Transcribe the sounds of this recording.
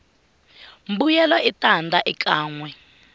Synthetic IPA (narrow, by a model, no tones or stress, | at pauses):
mbujɛlwaitandʱaʔik̬ʰʼaːŋwɛ